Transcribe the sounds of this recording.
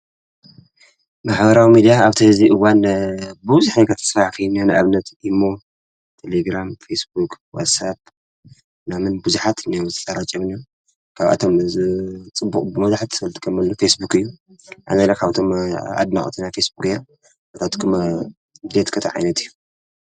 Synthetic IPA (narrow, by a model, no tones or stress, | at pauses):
maħbɐɾawimid̪ijaaβt̪ʰiziʔɨwanbɨβzuħnakʰɐt̪ʰɐ̥sfakʰijnːanaɨʔaβnɐt̪imːo̞ | t̪ʰeleɡɾamfesbukwa̰t̪sap̚ | namɨnbuzuħat̪nawʰɐt͡sʼɐɾat͡ʃʼɐmni | kʰaβʔa̰t̪ʰo̞mzɨt͡sʼɨbːukʼbɨmɐzaħt̪ɐlt̪ʰɨ̥kʰɐmɐlːufesbukɨjːu | ʔa̰nalakʰaβt̪ʰo̞ma̰d̪na̰χʼt̪ʰinajfesbukja | ɐt̪at̪kʰm | d̪et̪kʰɐt̪ʰɐʕa̰jnɐt̪ɨjːu